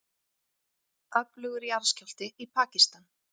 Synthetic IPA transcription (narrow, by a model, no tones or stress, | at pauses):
œplʏɣʏɾiaɾscal̥t̪ɪipʰaːcist̪an